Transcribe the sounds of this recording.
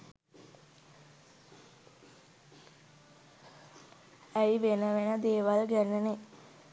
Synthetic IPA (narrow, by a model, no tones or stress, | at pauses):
æjʋenəʋenəd̪eːʋalɡænəne